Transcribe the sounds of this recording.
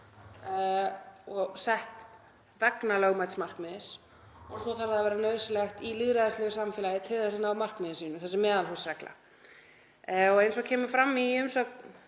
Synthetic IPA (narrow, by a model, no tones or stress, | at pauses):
ɔɣsɛht̪ | vɛknaloːɣmajt̪smar̥kmɪðɪs | ɔsɔθɛɾðaðavɛːɾanœːɥsɪlɛxt̪ilɪðɾaðɛslœɣʏsamfɛːlajɪt̪ʰɪlθɛsanawmar̥kmɪðɪsiːnʏmθɛsɪmːɛːðalɦulsrɛkla̰ | ɔɣejnsɔkʰɛːmʏfɾamːiʏmsɔk